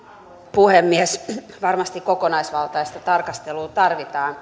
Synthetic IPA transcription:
puhemːiɛs | ʋɑrmɑst̪ikkokonɑisʋɑlt̪ɑist̪ɑt̪ɑrkɑst̪eluːt̪ɑrʋit̪ɑːn

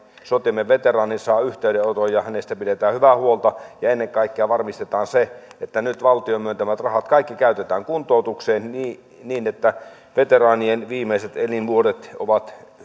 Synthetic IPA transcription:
sot̪imːeʋʋet̪erɑːninsɑːyht̪eydeot̪ojɑhænest̪æpidet̪æːhyʋæhuolt̪ɑjɑenːeŋkɑˑikːeɑʋɑrmist̪et̪ɑːnseet̪ːænyt̪ʋɑlt̪iomyønt̪æmæt̪rɑhɑt̪kɑˑikːikæyt̪et̪æːŋkunt̪ˑoˑut̪ukseːnni | niːnet̪ːæ | ʋet̪erɑːnienʋiːmeiset̪elinʋuodet̪o̰ʋɑt̪

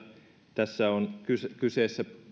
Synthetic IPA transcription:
t̪æsːæonkyskyseːsːæ

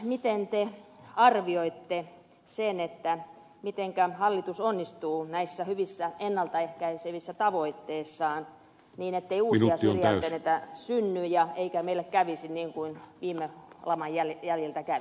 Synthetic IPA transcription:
mit̪ent̪eɑrʋioit̪ːe | senet̪ːæ | mit̪eŋkæhɑlːit̪usonːist̪uːnæisːæhyʋisːæenːɑlt̪ɑehkæiseʋisːæt̪ɑʋoit̪ːeːsːɑːn | niːnet̪ːeiuːsɑsrijænt̪ːenet̪æsynːyjɑeikæmeilːekkæʋisinniːŋkuinʋiːmːelɑmɑjjæljæljelt̪ækæʋi

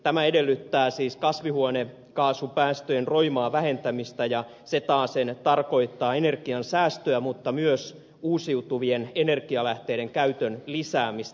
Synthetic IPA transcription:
t̪æmæedelːyt̪ːæːsiːskɑsʋihuone | kɑːsupæːst̪øjenroimɑːʋæhe̞nt̪æmist̪æjɑ | set̪ɑːsent̪ɑrko̞it̪ːɑːene̞rkiɑnsæːst̪øæmut̪ːɑmyøs | uːsiut̪uʋienenerɡiɑlæht̪eːdeŋkæyt̪ønlisæːmist̪

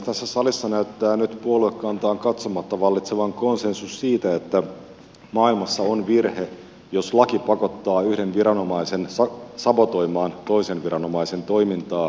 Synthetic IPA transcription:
t̪æsːæsɑlisːɑnæyt̪ːæːnyt̪puoluekːɑnt̪ɑːŋkɑt̪somɑt̪ːɑʋɑlːit̪seʋɑŋko̞nsensussiːt̪æet̪ːæ | mɑːilmɑsːɑonʋirhe | joslɑkipɑkot̪ːɑːyhdenʋiɾɑno̞mɑisensɑsɑbot̪o̞imɑːnt̪o̞ise̞nʋiɾɑno̞mɑise̞nt̪o̞imint̪ɑː

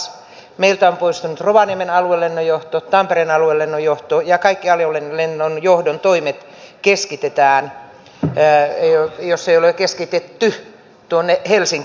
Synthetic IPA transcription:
s | meilt̪æompoist̪unut̪roʋɑniemenɑluelːenːojoht̪ott̪ɑmperenɑluelːenːojoht̪ojɑkɑikːiɑljolenlenːonjohdont̪oimet̪ | keskit̪et̪æːn | josːeijolekeskit̪et̪ːy | t̪uonːehelsiŋk

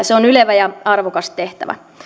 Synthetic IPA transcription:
seonyleʋæjɑɑrʋokɑst̪t̪eht̪æ̰ʋæ̰

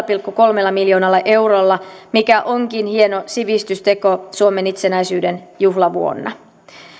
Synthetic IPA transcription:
pilkːuko̞lmelːɑmiljo̞ːnɑlːɑʔe̞wɾolːɑmikæʔoŋkinhie̞nosiʋist̪yst̪e̞ko̞suome̞nit̪senæjsyːde̞njuɦlɑʋuo̰nːɑ̰

